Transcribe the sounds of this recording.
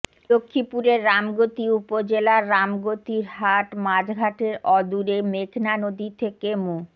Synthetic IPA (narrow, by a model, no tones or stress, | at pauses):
lokʰːipuɾeɾːamɡot̪iupod͡ʑelaɾːamɡot̪iɾɦaʈmad͡ʑɡʱaʈeɾɔd̪uɾemekʰnanod̪it̪ʰekemu